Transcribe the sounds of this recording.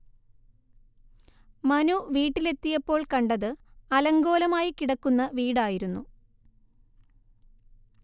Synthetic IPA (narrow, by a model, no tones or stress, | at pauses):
mɐnuʋiːʈːile̞t̪ːijɐpːo̞ːɭkɐɳɖɐðɨɐlɐŋɡo̞ːlɐmaːjikiɽɐkːunːɐʋiːɽaːjiɾunːu